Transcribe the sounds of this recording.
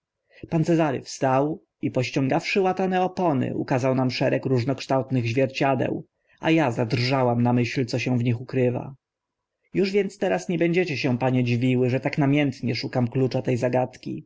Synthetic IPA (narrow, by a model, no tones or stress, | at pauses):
pant̪sɛzaɾɘ̰fst̪aw | ipɔɕt͡ɕɔ̃ŋɡafʂɘwat̪anɛɔpɔnɘ̰ṵkazawnamʂɛɾɛkɾuʐnɔkʂt̪awt̪nɘɣʑvʲjɛɾt͡ɕad̪ɛ̰w | a̰jazad̪rʐawamnamɘɕlt̪sɔɕɛ̃vɲixukɾɘva̰ | juʐvʲjɛnt̪st̪ɛɾasɲɛbɛɲd͡ʑɛt͡ɕɛɕɛ̃paɲɛd͡ʑivʲiwɘʐɛt̪aknamʲjɛnt̪ɲɛʂukamklut͡ʂat̪ɛjzaɡat̪kʲḭ